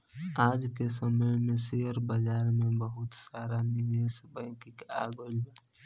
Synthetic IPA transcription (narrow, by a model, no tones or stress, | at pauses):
aːd͡ʒkesəməjmẽsejəɾbəd͡ʒaːɾmẽbəɦʊt̪saːɾanɪʋeːsbɛ̃ːkɪka̰ːɡoːlba